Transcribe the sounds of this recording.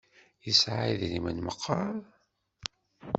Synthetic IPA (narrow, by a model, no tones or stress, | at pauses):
jəsʕiðɾimənməqʰːɑɾ